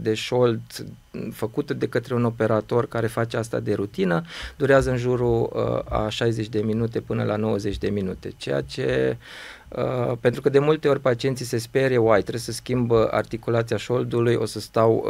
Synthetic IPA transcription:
d̪e̞ʃo̞ld̪ | fəkut̪d̪e̞kət̪ɾe̞uno̞pe̞ɾat̪o̞rkaɾe̞fat͡ʃeast̪a̰d̪e̞ɾut̪inəd̪uɾeazəɨnʒuɾua̰ʃajze̞t͡ʃʲd̪e̞minut̪e̞pɨnəlano̞wəze̞t͡ʃʲd̪e̞minut̪e̞̰t͡ʃe̞ja̰t͡ʃe̞ | əpe̞nt̪ɾukəd̪e̞mult̪e̞o̞ɾʲpat͡ʃie̞nt̪sise̞spe̞ɾewajt̪ɾesəskʲimbəʔa̰rt̪ikulat̪siaʃo̞ld̪ulujʔo̞̰səst̪aw

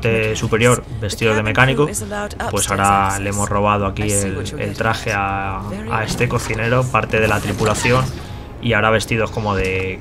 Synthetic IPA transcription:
t̪esupe̞ɾjo̞ɾbe̞st̪iðo̞zð̞e̞me̞kaniko | pwe̞saoɾalee̞mo̞zro̞β̞að̞o̞akielḛlt̪ɾaxe̞a̰ː | e̞st̪e̞ko̞θine̞ɾo̞paɾt̪e̞ð̞e̞lat̪ɾipulaθjo̞n | iaoɾaβ̞e̞st̪ið̞o̞sko̞mo̞ðe̞

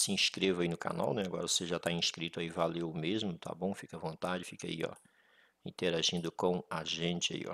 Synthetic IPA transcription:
sɪĩskɾevɐinʊka̰na̰wnɛaɡɔɾɐoseʒat̪aĩskɾit̪ʊaivalewʊmezmʊt̪ʰa̰bõw̃fikɐvõnt̪ad͡ʒɪfika̰iɔ̰ | ĩnt̪eɾaʒĩnd̪ʊkõaʒẽt͡ʃɪa̰ḭɔ̰

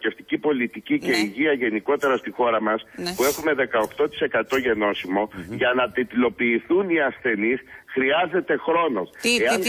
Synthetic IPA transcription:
e̞ft̪icipo̞lit̪icice̞iʝiɐʝe̞niko̞t̪e̞ɾɐst̪ixo̞ɾɐmɐspue̞xume̞ðe̞kɐo̞xt̪o̞t̪i̥se̞kɐt̪o̞ʝe̞no̞simo̞ʝɐnɐt̪et̪ilo̞piːθuniɐsθe̞nisxɾiɐze̞t̪e̞xɾo̞no̞seɐn

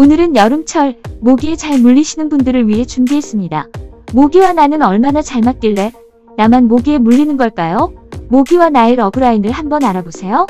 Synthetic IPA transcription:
onɯɾɯnjʌɾɯmt͡ɕʰʌɭmoɡie̞t͡ɕaɭmuʎːiɕʰinɯnbundɯɾɯɭɥiɦe̞t͡ɕumbiɦe̞s͈ɯmɲida̰moɡiwananɯnʌɭmanat͡ɕaɭmat̚k͈iɭːe̞ | namanmoɡie̞muʎːinɯnɡʌɭk͈ajomoɡiwanaeɾʌɡɯɾainɯɭhambʌnaɾabosʰe̞jo

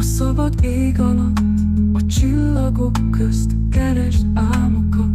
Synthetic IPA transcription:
ɒsɒbɒd̪eːɡɒlɒt̪ | ɒt͡ʃilːɒɡo̞kʰːøst̪ | kɛɾɛʒt̪aːmokɒ

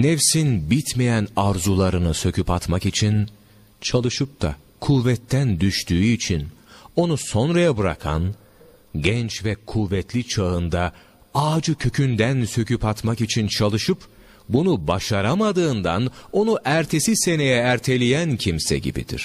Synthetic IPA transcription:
nɛfsinbit̪mejænaɾzulˠaɾɯnɯsø̞cʰypat̪makit͡ʃʰin | t͡ʃʰalˠɯʃɯp̚t̪ʰa̰ | kʰuvɛt̪ːænd̪yʃt̪ʰyːyit͡ʃʰino̞nuso̞nɾajabɯɾa̰kʰa̰n | ɟɛnt͡ʃvɛkʰuvːɛt̪lʲit͡ʃʰaɯnd̪a | aːd͡ʒɯcʰø̞cʰynd̪ænsø̞cʰypat̪makit͡ʃʰint͡ʃʰalˠɯʃɯp | bunubaʃaɾamad̪ɯːnd̪a̰no̞nuʔæɾt̪ʰe̞sise̞ne̞jɛæɾt̪ʰe̞lʲijæncʰimsɛ̰ɟḭbḭd̪ḭɾ̥

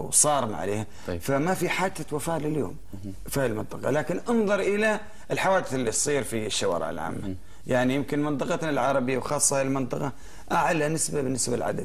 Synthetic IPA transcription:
wsˤɑːɾˤma̰ʕa̰lḛːha | famafiħaːd͡ʒawafaːlɪljo̰ːm | falmɪnt̪ˤɑqɑ̰laːkɪnʔɑnðˤɑɾˤʔɪla | ɪlħawaːd̪ɪθɪlːisˤiːɾfiʃːawa̰ːɾɪ̰ʕɪ̰lʕa̰ːmːa | jaʕnijɪmkɪnmɨnt̪ˤɨqɑnɪlʕɑɾˤɑbɪjːawxɑːsˤːɑaɪlmɪnt̪ˤɑqɑ | ʔaʕalanɪsbabɪnːɪsbalʕa̰d̪a̰d̪

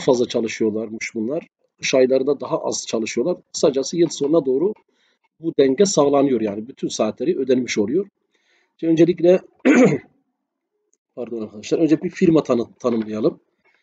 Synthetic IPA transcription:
afazlˠat͡ʃʰalˠɯʃɯjo̞lˠaɾmuʃbunlˠaɾ | ɯʃajlˠaɾɯnd̪ad̪aɦaʔa̰zt͡ʃʰalˠɯʃɯjo̞lˠaɾkʰɯ̥sad͡ʒasɯjɯlˠso̞nad̪o̞ːɾu | bud̪æɲɟɛsaːlˠanɯjo̞ɾjaːnibyt̪ʰynsaːt̪ʰlʲeɾiø̞d̪ænmiʃo̞lˠujo̞ɾ̥ | t͡ʃɛø̞nd͡ʒelʲic̬lʲɛ | pʰaɾd̪o̞naɾkʰad̪aʃlˠaɾø̞nd͡ʒɛibifiɾmat̪ʰnt̪ʰanɯmlˠajalˠɯm

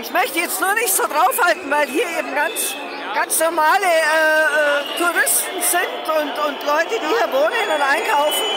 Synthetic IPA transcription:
ʔɪçmœçtəjɛt͡stnuːɐnɪçtz̥oːdʁaʊfhaltn̩vaɪlɦiːɐeːbm̩ɡant͡s | ɡ̥ant͡snɔɐmaːləɛːɛːtʰuʁɪstn̩z̥ɪntʊntʊntlɔʏtəd̥iːhiːɐvoːnənʊntʔaɪnkʰaʊfn̩

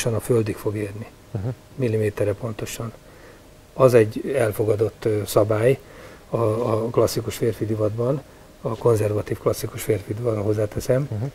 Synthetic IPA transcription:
ʃɒnɒføld̪ikfo̞ɡeːrni | milːimeːt̪ɛrɛpo̞nt̪o̞ʃɒn | ɒzɛɟːɛlfo̞ɡɒd̪o̞t̪ːsɒbaːj | ɒːklɒsːikuʃfeːrfid̪ivɒd̪bɒn | ɒko̞nzɛrvɒt̪iːfklɒsːikuʃfeːrfid̪ivɒɦo̞zːaːt̪ɛsɛm

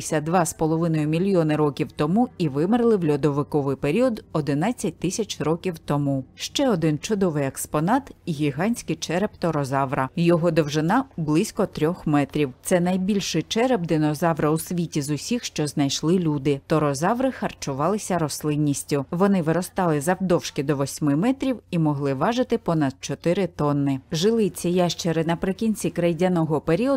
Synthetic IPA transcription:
ɪsʲɐd̪ʋɑspɔlˠɔʋɪnɔjʊmʲilʲjɔnɪɾɔkʲiwt̪ɔmuiʋɪmɪrlˠɪwlʲɔd̪ɔʋɪkɔʋɪjpeɾʲiɔd̪ɔd̪ɪnɑt͡sʲːɐt̚ʲt̪ɪsʲɐt͡ʃrɔkʲiwt̪ɔmuʃt͡ʃɛɔd̪ɪnt͡ʃʊd̪ɔʋɪjɛkspɔnɑt̪iɣʲiɦɑnʲsʲkɪjt͡ʃɛɾɛbt̪ɔɾɔzɑʋɾɐjɔɦɔd̪ɔwʒɪnɑblˠɪsʲkɔt̪ɾʲɔxmɛt̪ɾʲiwt̪sɛnɐjbʲilʲʃɪjt͡ʃɛɾɛb̚d̪ɪnɔzɑʋɾɐwsʲʋʲitʲizʊsʲixʃt͡ʃɔznɐjʃlˠɪlʲud̪ɪt̪ɔɾɔzɑʋɾɪxɐrt͡ʃʊʋɑlˠɪsʲɐɾɔslˠɪnʲːisʲtʲʊʋɔnɪʋɪɾɔst̪ɑlˠɪzɐwd̪ɔwʃkʲɪd̪ɔʋɔsʲmɪmɛt̪ɾʲiwimɔɦlˠɪʋɑʒɪt̪ɪpɔnɐd̪̥̚t͡ʃɔt̪ɪɾɪt̪ɔnːɪʒɪlˠɪt͡sʲːɐjaʃt͡ʃeɾɪnɐpɾɪkʲinʲt͡sʲikɾɐjdʲanɔɦɔpeɾʲiɔ

